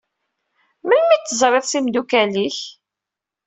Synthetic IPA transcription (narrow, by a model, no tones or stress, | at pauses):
mənmit̪ːəzˤɾˤɪðˤsimd̪ukæliç